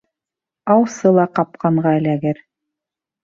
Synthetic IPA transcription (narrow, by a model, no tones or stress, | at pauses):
ɑwsɤlˠɑqɑp̚qɑɴɢɑɘ̆læɡɘɾ